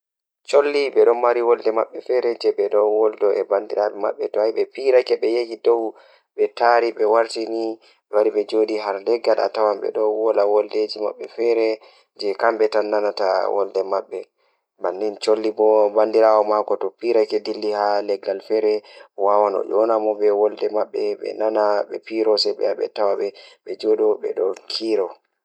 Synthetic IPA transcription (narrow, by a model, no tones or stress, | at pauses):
t͡ʃolːiɓɛɗɔnwaɾiwɔldɛma̰ɓːɛfɛɾɛd͡ʒɛɓɛɗɔnwɔldɔʔɛbandiɾaɓɛma̰ɓːɛtɔajɓɛpiɾakɛɓɛjekidɔw | ɓɛtaɾiɓɛwaɾtini | ɓɛwaɾiɓɛd͡ʒoɗiɦaɾlɛɡːala̰tawamɓɛ̰ɗɔwɔlawɔlded͡ʒima̰ɓːɛfɛɾɛ | d͡ʒɛkamɓɛtanːanatawʔɔ̰ldɛmaɓːɛ | bandint͡ʃolːibɔbandiɾaːwɔmakɔtɔpiɾakɛdilːihalɛɡːalfɛɾɛwawanɔ̰d͡ʒɔnamɔbɛwɔldɛmaɓːɛɓɛ̰nanaɓɛ̰piɾɔsɛɓɛ̰aɓɛ̰tawaɓɛɓɛd͡ʒɔɗɔɓɛ̰ɗɔkʰiːɾɔ